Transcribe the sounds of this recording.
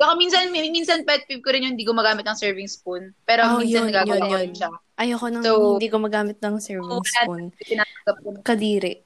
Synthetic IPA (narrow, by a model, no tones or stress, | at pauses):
bɐkaminsɐnminsɐnpɛt̪̚pib̚koɾɪnjʊnhɪnd̪iːk̬ʊmɐɡaːmɪt̪̚nɐŋsɛɹvɪŋsponpɛːɾoominjsɐnɐɡaːɡjɐwaɾɪnʃaʔɐjoːkonɐŋsowɪd̪iːkomɐɡaːmɪt̪̚nɐŋsɛɹvɪsapont̪ɪnaːɐŋɡɐp̚kokɐd̪iːɾɛ̰